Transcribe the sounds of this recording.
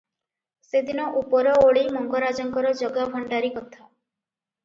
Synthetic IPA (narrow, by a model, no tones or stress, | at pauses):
sed̪inɔʔupɔɾɔoɭimɔŋɡɔɾad͡ʒɔŋkɔɾɔd͡ʒɔɡabʱɔɳɖaɾikɔt̪ʰa